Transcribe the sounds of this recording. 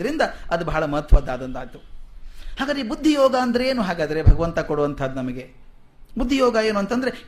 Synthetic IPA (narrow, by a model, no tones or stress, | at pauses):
ɐɾind̪ɐɐd̪ubɐɦɐɭɐmɐɦɐt̪ʰːɐʋaːd̪aːd̪ɐnd̪aːjt̪u | haːɡaːd̪ɾeːbud̪ʱːijɔːɡaɐnd̪ɐɾeeːnuɦaːɡaːd̪ɐɾebʱɐɡɐʋɐnt̪ɐkoɽuʋɐnt̪ʰɐd̪ːunɐmɐɡe | bud̪ʱːijɔːɡɐjeːnuɐnt̪ɐnd̪ɐɾe̞